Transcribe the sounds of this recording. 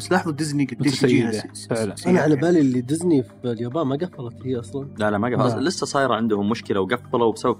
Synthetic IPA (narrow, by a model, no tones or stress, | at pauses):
baslɑːħðˤud̪ɪzniɡɪt̪ːiːjːɪd̪a | fɪʕlanʔanaʕalabaːliʔlːid̪ɪznifljaːbɑːmaɡafːɑlɑt̪hiːʔɑsˤlɑnlalaʔmaɡalɪsːasˤɑːjɾˤɑʕɪnd̪ʊhʊmːʊʃkɪlawɡafːɑlawbsabab